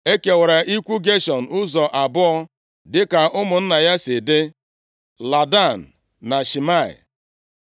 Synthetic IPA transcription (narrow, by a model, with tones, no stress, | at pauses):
e˦ke˨wa˨ɾa˨ʔi˦kʷu˦ɡe˦ʃɔ˨n̩˨ʊ˦zɔ˨ʔa˨bʊ˦ɔ˦ | dɪ˦ka˨ʔʊ˦mʊ˨n̩˦na˨ja˦sɪ˨dɪ˦ | la˨da˦˨n̩˨ | na˨ʃi˨ma˦˨ɪ̰˨